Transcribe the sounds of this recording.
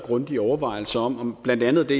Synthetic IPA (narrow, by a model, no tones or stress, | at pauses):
ɡ̥ʁɔnd̥iɒʊɐʋɑ̈ɪl̩səɒ̽mɒb̥læn̰d̥ænð̞̩ˠd̥e̝